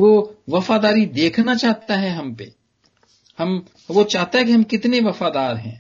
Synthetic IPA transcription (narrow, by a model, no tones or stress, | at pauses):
ʋoʋɐfad̪aːɾid̪eːkʰnat͡ʃaːɦt̪aɦɛɦɐmpḛ | hɐm | ʋot͡ʃaːɦt̪aɦɛ̃k̬iɦɐmkɪt̪neʋɐfaːd̪aːɾɦɛ̰̃ː